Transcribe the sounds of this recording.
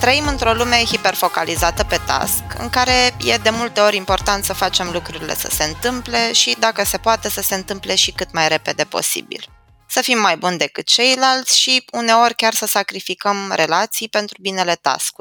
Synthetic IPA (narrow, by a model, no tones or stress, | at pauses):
t̪ɾəimɨnt̪ɾo̞lume̞hipe̞rfo̞kalizat̪əpe̞t̪a̰skɨ̰ŋkaɾe̞je̞d̪e̞mult̪e̞o̞ɾʲimpo̞rt̪ant̪səfat͡ʃe̞mlukɾuɾile̞̰sə̥̰se̞ɨnt̪ɨmple̞ʃid̪akəse̞poat̪e̞səse̞ɨnt̪ɨmple̞ʃikɨt̪majɾe̞pe̞d̪e̞po̞̰sḭbḭl | səfimːajbund̪e̞kɨt̪̚t͡ʃe̞jlalt̪sʲʃiune̞o̞rʲkʲarsəsakɾifikəmɾʔe̞lat̪sijpe̞nt̪ɾubine̞le̞t̪a̰skuɾʲ